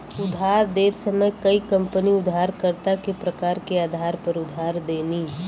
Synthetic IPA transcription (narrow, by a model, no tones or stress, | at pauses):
ʊd̪ʱɦaːɾd̪eːt̪sɐməjkɐikɐ̃mpəniʊd̪ʱɦaːɾkəɾt̪akepɾɐkaːɾkeaːd̪ʱaːɾpɐɾʊd̪ʱaːɾd̪eːniː